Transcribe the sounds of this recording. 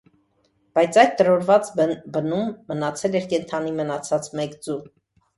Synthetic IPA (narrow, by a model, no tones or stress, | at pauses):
b̥ɑjt͡sʰɑjd̪t̪əɾɔɾvɑt͡sbənumːənɑt͡sʰɛlɛɾkɛnt̪ʰɑnimənɑt͡sʰɑt͡smɛkd͡zu